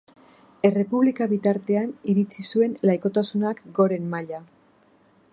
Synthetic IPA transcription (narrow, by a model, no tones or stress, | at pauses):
e̞re̞puβlikaβit̪aɾt̪e̞aniɾit͡sisue̞nlajko̞t̪asunakɡo̞ɾe̞mmaʎa